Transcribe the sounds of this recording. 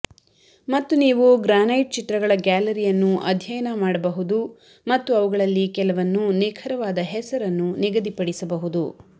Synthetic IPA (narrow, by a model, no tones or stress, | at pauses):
mɐt̪ːuniːʋuɡɾaːnɐjʈ̚t͡ʃit̪ɾɐɡɐɭɐɡaːlɐɾijɐnːuʔɐ̰d̪ʱjɐjɐnɐmaːɽɐbɐɦud̪u | mɐt̪ːuɐʋuɡɐɭɐlːikɛlɐʋɐnːuneːkʰɐɾɐʋaːd̪ɐɦɛsɐɾɐnːuniɡɐd̪ipɐɽisɐbɐɦud̪u